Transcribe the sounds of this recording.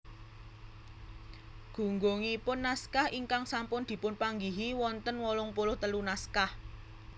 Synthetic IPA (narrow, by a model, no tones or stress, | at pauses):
ɡ̥ṳŋɡoŋiːpʊnːaskahiŋkaŋsampʊnd̪̥i̤pʊnpaŋɡiɦiwɔnt̪ənwɔlɔŋpolʊht̪əlunaskah